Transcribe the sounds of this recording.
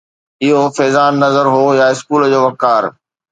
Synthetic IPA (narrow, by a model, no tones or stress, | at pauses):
ɪɦofɛːzaːnːɐzəɾɦojaɪskuːld͡ʑoːʋɐkaːɾ